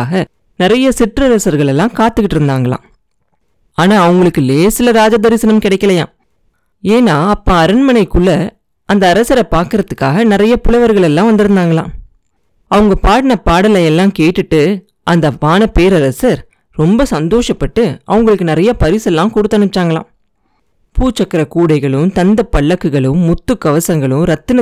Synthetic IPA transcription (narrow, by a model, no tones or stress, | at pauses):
ɣɐ | nɪɾɐjɐsɪʈrɐɾɐsɐɾɣɐɭɛlːãːkaːt̪ːɯkːɪʈːɪɾɯnd̪aːŋɡɐɭã̰ː | aːnaːɐʋɯŋɡɐɭɯkːɯleːsɪlɐɾaːd͡ʒad̪ɐɾɪsɐnɐmkɪɽɐɪkːɐlɐjã̰ː | eːnaːɐpːaːɐɾɐnmɐnɐɪkːɯɭːɐ | ɐnd̪ɐːɾɐsɐɾɐpaːɾkɯɾɐðɯkːaːɣɐnɪɾɐjɐpʊɭɐʋɐɾɣɐɭɛlːãːʋɐnd̪ɪɾɯnd̪aːŋɡɐɭã̰ː | ɐʋɯŋɡɐpaːɽɐnɐpːaːɽɐlɐjɛlːãːkeːʈːɯʈːɯ | ʔɐnd̪ɐʋaːnɐpeːɾɐɾɐsɐɾ | ɾɔmbɐsɐnd̪oːʂɐpːɐʈːɯɐ̰ʋɯŋɡɐɭɯkːɯnɪɾɐjɐpɐɾɪsɛlːãːkɔɽɯt̪ːɐnɯt͡ʃ̪ːaːŋɡɐɭlã̰ː | puːt͡ʃːɐkːɐɾɐkuːɽɐɪɣɐɭɯmt̪ɐnd̪ɐpːɐɭːɐkːɯɣɐɭɯmːʊt̪ːɯkːɐʋɐsɐŋɡɐɭɯmɾɐt̪ːɯnɐ